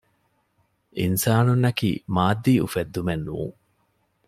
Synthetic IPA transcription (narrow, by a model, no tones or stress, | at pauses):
ʔinsaːnunːɐkḭːmaːd̪ːiːṵfed̪ːumenːṵːŋ